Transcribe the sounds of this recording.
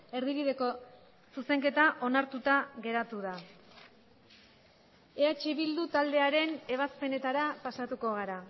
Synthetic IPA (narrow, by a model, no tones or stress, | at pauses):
e̞ɾðiβiðe̞ko̞ | suse̞ŋke̞t̪aʔo̞naɾt̪ut̪aɣe̞ɾat̪uða | e̞at͡ʃiβild̪ut̪ald̪e̞aɾe̞ne̞β̞aspe̞ne̞t̪aɾapasat̪uko̞ɣ̞aɾa